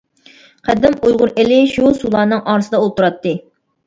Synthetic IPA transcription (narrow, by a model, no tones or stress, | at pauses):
qʰæd̪ɪmujʁʊɾɪlɪʃusulˠɑːnɨŋʔɑːɾɨsɨd̪ɑolˠt̪uɾɑt̪ːɨ